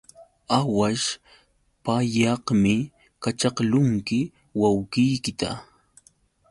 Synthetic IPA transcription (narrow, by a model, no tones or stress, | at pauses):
awaʃ | pajɑhmɪ | kat͡ʃɑqlʊŋkɪ | wawkɪjkɪt̪a̰